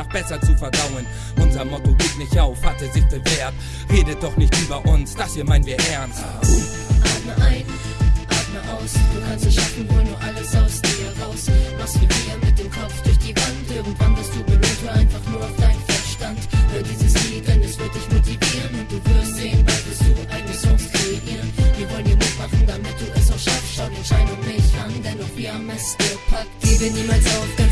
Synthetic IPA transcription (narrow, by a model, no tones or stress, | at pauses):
aχb̥ɛsɐt͡sufɛɐdaʊən | ʔʊnzɐmɔtoɡeːtnɪçtʔaʊfhatɐzɪçd̥envɛɐk | ʁeːdət̚d̥ɔχnɪçtʔyːbɐʔʊnsd̥ashiːɐmaɪnənviːɐʔɛɐnsthaːb | ʔaːtməʔaɪn | ʔaːtməʔaʊsd̥uːkʰanstɪʃafn̩voːnuːɐʔaləsz̥aʊsdiiɐʁaʊsvasv̥iɐfiːɐmɪt̚d̥eːmkʰɔp͡fd̥ʊɐçd̥iːvantɪɐɡŋ̩tv̥andɐstd̥uːbəʁɪtv̥uəʔaɪnfaχnuːɐaʊfd̥aɪnənfɛʃtantʔoːdɐdiːzəsiːkʰɛnɛsv̥ɪɐt̚d̥ɪçmotiviːʁənʊnt̚d̥uːvɪɐstz̥eːənvaɪv̥ɪstd̥uːʔaɪɡnəsɔŋskʁ̥eʔiːʁənv̥iːɐvɔləndiːmɪtmaχn̩damɪt̚d̥uːʔɛsaʃafstʃaʊnɛntʃaɪdʊŋmɪçaŋdɛnːɔχv̥iːɐamːɛstəpʰakɡ̥evəniːmalsʔaʊfɡ̥ə